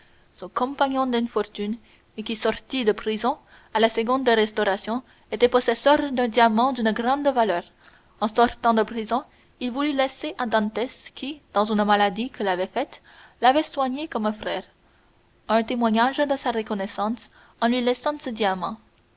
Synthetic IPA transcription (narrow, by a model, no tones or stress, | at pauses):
sɔ̃kɔ̃paɲɔ̃d̪ynfɔʁt̪yn | ekʲisɔʁt̪id̪əpχizɔ̃ | alasəɡɔ̃d̪ːeʁɛst̪ɔʁasjɔ̃ | et̪ɛpɔsɛsœʁd̪ɛ̃d̪jamɑ̃d̪ynɡʁɑ̃d̪valœːʁ | ɑ̃sɔʁt̪ɑ̃d̪əpχizɔ̃ | ilvulylɛseʔad̪ɑ̃t̪ɛskʲid̪̥ɑ̃zynmalad̪ikəlavɛfɛt̪ | lavɛswaɲekɔmɛ̃fʁɛːʁ | ɛ̃t̪emwaɲaʒd̪əsaʁəkɔnɛsɑ̃s | ɑ̃lɥilɛsɑ̃səd̪jamɑ̃